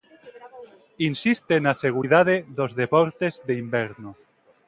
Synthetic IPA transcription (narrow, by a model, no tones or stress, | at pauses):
insist̪enaseɣ̞uɾiðað̞eðozðepoɾt̪ezðeimbeɾno